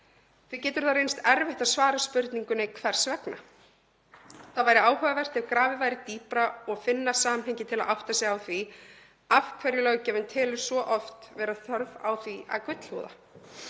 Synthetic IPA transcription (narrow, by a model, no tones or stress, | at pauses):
θvɪcɛːt̪ʏɾ̥θaɾejnst̪ɛɾvɛht̪aðsvaːɾaspʏɾt̪niŋkʏnɛkʰvɛr̥svɛkna̰ | θaðvajɾɪaːwhœvavɛr̥t̪ɛvkɾaːvɪvaːjɾɪt̪iːpɾaɔɣfɪnːasaːmɦɛjɲcɪt̪ʰɪlaðʔawht̪asjɛɣawθvi | afkʰvɛɾjɪlœːcɛvʏnt̪ʰɛːlʏ̥svɔʔɔft̪vɛːɾaθœɾva̰wθviʔa̰ðkʏt̪l̥hṵːða̰